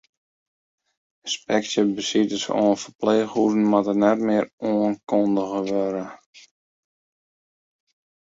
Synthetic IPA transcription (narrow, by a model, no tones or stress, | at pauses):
əspɛksjəbəsitəso̰ənfərpleːxuɾn̩matənɛtmɪəroənkondəɣəʋøɾə